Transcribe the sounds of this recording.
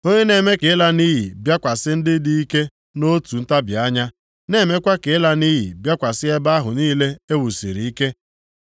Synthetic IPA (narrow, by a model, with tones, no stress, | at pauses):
o˦ɲe˦ne˨me˦ke˨˦la˦ni˦ɦɪ̰˨bja˦kʷa˨sɪ˦n̩˦dɪ˦di˦i˦ke˦ | no˦tu˨n̩˦ta˦bja˦ɲa˦ | ne˨me˦kʷa˦ke˨˦la˦ni˦ɦḭ˨bja˦kʷa˨sɪ˦e˦ba˦ɦʊ˨niː˦le˦e˦wu˨sḭ˨ɾi˨i˦ke˦